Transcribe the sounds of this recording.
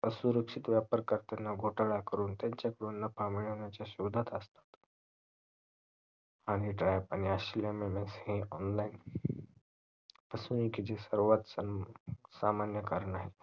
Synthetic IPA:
əsuɾəkʂit̪ʋjapəɾkəɾt̪anːaɡʱoʈaɭakəɾuːnt̪jãɲt͡ɕakəɽonːapʰamiɭɦonjat͡ɕjaɕuʋd̪ʱat̪əst̪ḁt̪ | aɽ̃iʈɾajpañiaɕlememẽnseɦĩɔnlain | pəsunĩkid͡ʑesəɾʋat̪s | samanjəkəɾnaɦe

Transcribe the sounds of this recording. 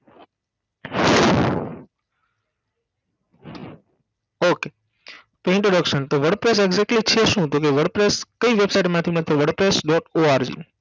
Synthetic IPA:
oke | poĩɳʈɾoɽəkʃənt̪oʋəɽɖpɾes̬eɡzɛk̚ʈlit͡ʃʰeʃũːd͡ʒokeʋəɽɖpɾeskəiʋebsaiʈmãt̪ʰiməɾt̪ʰeʋəɽɖpɾesɖɔʈoaɾd͡ʒḭ

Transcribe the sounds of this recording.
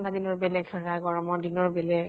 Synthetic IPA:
ntʰadinɔɹbɛlɛɡxɛɹaɡɔɹɔmɔɹdinɔɹbɛlɛɡ

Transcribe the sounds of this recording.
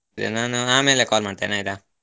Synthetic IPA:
d̪ḛnaːnuaːmeːlekaːlmaːɖt̪eːnaːid̪a

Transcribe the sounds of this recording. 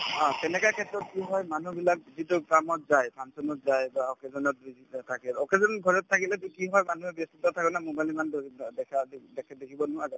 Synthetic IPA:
ãtɛnɛkakʰɛtɹɔt̚kiɦɔjmanubilak̚zitʊkamɔt̚zajpʰansɔnɔt̚zajbaɔkɛzɔnɔt̚bizittʰakɛlɔkɛzɔnɡʱɔɹɔtʰːakilɛtkiɦɔjmanuɛbɛstitatʰakɔnamobalimandɛkʰadɛkʰɛdekʰibɔnʊaza

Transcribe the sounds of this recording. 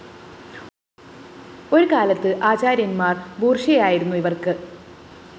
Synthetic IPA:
o̞ɾukaːlɐt̪ːɨʔaːt͡ɕaːɾjɐnmaːrbuːrʂɐɐjaːjiɾunːuiʋɐrkɨ

